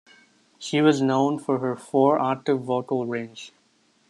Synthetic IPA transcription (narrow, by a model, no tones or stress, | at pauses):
ʃiːʋɔznõʊ̃nfɔɾɦəɾfɔːɾaːʈɪʋːɔːʈəlɹẽːnd͡ʒ